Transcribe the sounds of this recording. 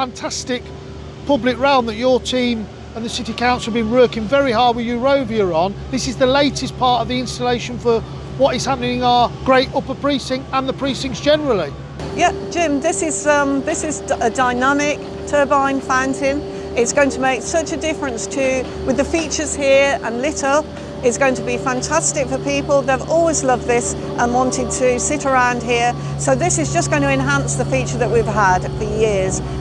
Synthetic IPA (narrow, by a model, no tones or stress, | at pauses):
fãntʰastɪk | pʰʌblɪkɹɛ̃l̃ˠmðət͡ʃətʰĩːm | ə̃nðəsɪtikʰãʊ̃nts̩əvbĩnwɜˑkɪ̃ŋvɛɹihɑːd̚wɪðjəɹoʊvjəɹə̃nðɪsɪzðəleɪtʰɪspʰɑˑtəvðiɪ̃nstəleɪʃə̃nfə | wɒtɪz̥hapənɪ̃ŋəɡ̥ɹeɪtʊpəpʰɹ̥iˑsɪ̃ŋə̃nðəpʰɹ̥iˑsɪ̃ŋzd͡ʒɛnəɹəlˠi | jɛd̥ʒ̥ɪ̃mðɪsɪzʌ̃mðɪsɪzədaɪnamɪk̚ | tʰɜːbãɪ̃nfãʊ̃ntʰɪ̃n | ɪtsɡ̥oʊɪ̃ŋtʰəmeɪksʌt͡ʃədɪfɹə̃nstʰɨ | wɪðəfiˑt͡ʃəz̥hiəɹə̃nlɪtˠ | ɪtsɡ̥oʊɪ̃ŋtʰəbifãntʰastɪkfəpʰiˑpəlˠðeɪvɔlˠwizlʌvðɪs | ʔə̃nwɒ̃ntɪd̚tʰɨsɪtəɹãʊ̃nd̥̚ɦiə | soʊðɪsɪzd͡ʒʌsɡ̥ʌ̃ʊɪ̃ñʰəɛ̃nɦãnsðəfiˑt͡ʃəðəʔwiv̥əd̥fəjɪəz̥